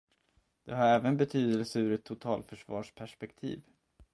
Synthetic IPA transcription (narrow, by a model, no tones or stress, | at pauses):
d̪̥ɛɦaɾɛːvənbɛt̪ʰyːd̪əlsəʉːɾɛt̪ʰːʊt̪ʰɑ̰ːlfœʂvɑːʂpʰæʂpɛkt̪ʰḭːv